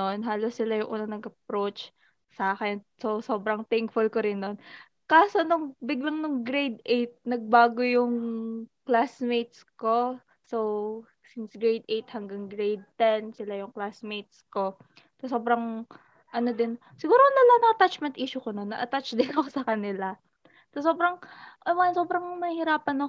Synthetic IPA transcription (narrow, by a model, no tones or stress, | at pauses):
nonɦaːlosːɪlajʊŋʔṵːnɐŋnɐɡʔɐp̚ɾot͡ʃ | saːkɛnsowso̞ːbɾɐŋt̪ɪŋkfʊlkoɾɪnːon | kaːso̞nʊŋbɪɡlaŋnʊŋɡɾejd̪̚ʔejt̪̚nɐɡ̚baːɡojʊŋklasmejt̪̚sko̞ | sow | sɪnsɡɹejd̪ʔejt̪̚hɐŋɡaŋɡɾejd̪̚t̪ɛnsɪlajʊŋklasmejt̪̚sko̞ | t̪ɐso̞ːbɾɐŋ | ʔɐno̞d̪ɪn | sɪɡuːɾonɐlaŋnɐʔɐt̪at͡ʃmɛnt̪ʔiːʃʊkono̞nːɐʔɐt̪at͡ʃd̪ɪnɐkosɐkɐnɪla | t̪ɐso̞ːbɾɐŋʔɐmɐnso̞ːbɾɐŋnɐhɪɾaːpɐnɐ